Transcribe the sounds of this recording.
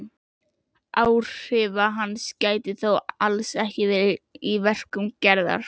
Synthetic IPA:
aːwr̥ɪːvaɦanːscaːjt̪ɪθowalsɛhcɪvɪːɾivɛr̥kʏmcɛɾða̰ɾ̥

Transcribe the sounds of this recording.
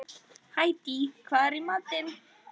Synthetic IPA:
hajt̪ikʰaɾimat̪en

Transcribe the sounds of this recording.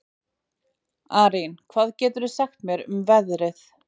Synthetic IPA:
aːɾinkʰv̥aːðcɛːt̪ʏɾʏsɛxt̪mjɛɾʏ̰mvɛðɾɪθ

